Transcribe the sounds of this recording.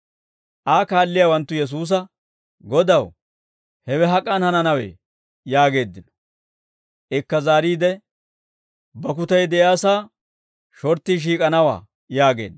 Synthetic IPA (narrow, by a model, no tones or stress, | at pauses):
ʔaːkaːlːɪjawɐnt̪ːʊjɛs̬uːs̬ɐ | ɡɔd̪ɐw | hɛwɛɦɐkʼːɐnhɐnɐnɐwḛː | jaːɡe̞ːd̪ːɪnɔ̥ | ʔɪkːɐzaːɾiːd̪ɛ | bɐk̬ʊt̪ɐjd̪ɛʔjaːsaː | ʃɔɾt̪ːiʃ̬iːkʼɐnɐwa̰ː | jaːɡḛːnː